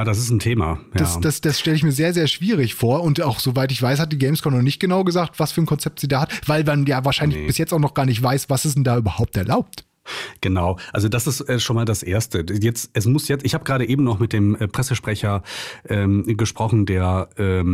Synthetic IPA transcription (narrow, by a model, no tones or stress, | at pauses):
jaːdas̬ɪsn̩tʰeːma̰jd̥asd̥asd̥asʃtɛləɪçmiːɐzeːɐzeːɐʃv̥iːʁ̞ɪçfoːɐʊntaʊxz̥ovaɪtɪçv̥aɪshat̚d̥iːɡɛɪmskʰɔnɔχnɪçt̚ɡ̥ənaʊɡəzaːk̚tv̥asfyːɐnkʰɔnt͡sɛp̚tz̥iːdaːhatv̥aɪlmanjaːvaːɐʃaɪnlɪçb̥ɪsjɛt͡staʊxnɔχɡ̥aːɐnɪçtv̥aɪsv̥asɪs̬dn̩daːyːbɐhaʊp̚tɛɐlaʊp̚t | ɡ̥ənaʊʔalzodasɪstʔɛːʃoːnmaːldasʔeːɐstəjɛt͡stɛsmʊsjɛt͡sɪçhaːbəɡʁaːɾəʔeːbm̩nɔχmɪt̚d̥eːmʔɛːpʁ̥ɛsəʃpʁ̥ɛçɐʔɛːmɡəʃpʁ̥ɔχn̩deːɐʔɛː